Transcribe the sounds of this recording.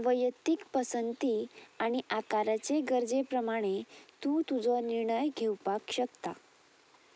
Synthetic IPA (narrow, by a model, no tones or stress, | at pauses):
ʋəjət̪ikpəsənt̪iaɽ̃iʔakaɾat͡seɡəɾd͡zepɾəmaɽ̃et̪uːt̪ud͡zɔniɾɳəjɡʱewpakɕəkt̪a